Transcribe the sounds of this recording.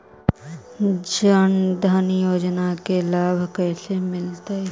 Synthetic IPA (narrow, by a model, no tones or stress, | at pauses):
d͡ʒənd̪ʱanjoːd͡ʒnakelaːbʱkɛːsemɪlt̪aɛ